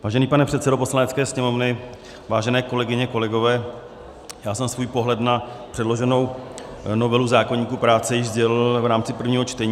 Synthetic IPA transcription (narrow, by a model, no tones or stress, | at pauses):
vaːʒɛniːpanɛpr̥ɛt̪sɛdopo̞slanɛtt͡skɛːsɲɛmo̞vnɪ | vaːʒɛnɛːko̞lɛɡɪɲɛko̞lɛɡo̞vɛː | jaːsɛmsvuːjpo̞ɦlɛt̪napr̥ɛdlo̞ʒɛno̞wnovɛluzaːko̞ɲiːkuːpɾaːt͡sɛjɪʒzɟɛlɪlvɾaːmt͡sɪpr̩vɲiːɦot͡ʃt̪ɛɲː